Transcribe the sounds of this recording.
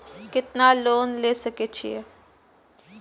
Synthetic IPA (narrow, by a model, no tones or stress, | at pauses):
kɪt̪naːloːnleːsəkeːt͡ʃʰie